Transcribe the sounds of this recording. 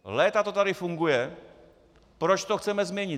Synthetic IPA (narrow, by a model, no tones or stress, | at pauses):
lɛːt̪at̪ot̪aɾɪfuŋɡujɛ | pɾot͡ʃt̪oxt͡sɛmɛzmɲɛɲɪ